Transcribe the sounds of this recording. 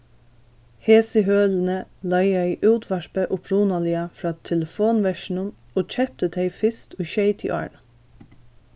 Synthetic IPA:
heːsəɦøːln̩əlɑɪjæɪʔʉːt̪ʰʋæɹpəʔʊpʰɾuːnɑlɪɑfɹɑːt̪ʰɛləfoːnʋæʃnʊm | oːt͡ʃɛp̚t̪əd̪ʰeɪfɪst̪yːʃœɪt̪ʰɪ̰ʔɑ̰ɹɳ

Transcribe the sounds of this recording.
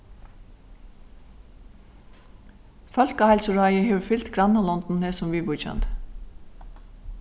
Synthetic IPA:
fœlkɑːhælsʊɹɑɪəheːʋfʏlt̪ɡɾɑnɑlɔnd̪n̩heːsʊmʋiːʋuːçɛ̰nt̪

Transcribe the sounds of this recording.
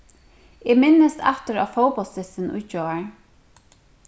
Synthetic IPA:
ɪmɪnːəst̪ʰa̰t̪ɪɾa̰fowpɔlsɪsɪnʊ̰jt͡ʃɔːaɹ

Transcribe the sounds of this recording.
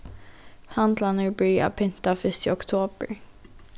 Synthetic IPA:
hand̪lanəbœɾa̰pʰʏnt̪afœst̪ɪɔkt̪ʰoːbə̰ɾ

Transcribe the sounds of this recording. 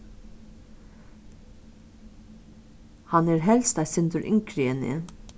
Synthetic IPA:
hɑneːɾɦɛlst̪æɪsɪnd̪əɾʔɪ̰ŋkʰɾɪənɪ̰

